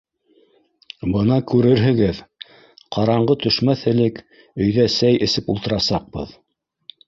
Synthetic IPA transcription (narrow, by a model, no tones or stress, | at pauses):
bɤnɑkʉɾɘɾɦɘ̆ɡɘð | qʰɑɾɑɴɢɤt̪ɵ̆ʃmæθɘ̆lɘk | ɵ̆jðæsæjʔɘ̆sɘpulˠt̪ɤ̆ɾɑsɑq̚bɤ̰ð